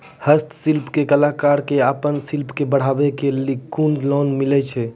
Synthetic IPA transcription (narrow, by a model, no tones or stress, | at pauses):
həst̪silpkekəlakaɾkeapənsilpkebəɽ̤abɛkelikːunɖlɔnmilɛt͡ʃʰɛ